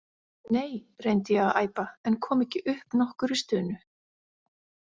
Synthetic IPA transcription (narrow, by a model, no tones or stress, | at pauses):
neːjrejnt̪ɪjɛɣaða̰ːjpaɛnkʰɔːmɛhcɪʔʏhpnɔhkʏɾist̪ʏːnʏ